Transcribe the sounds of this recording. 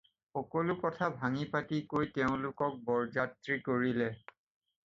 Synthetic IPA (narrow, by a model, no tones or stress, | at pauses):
xɔkolʊkɔtʰabʱaŋipatikojteʊ̃lʊkɔk̚bɔɹzatɹikoɹilɛ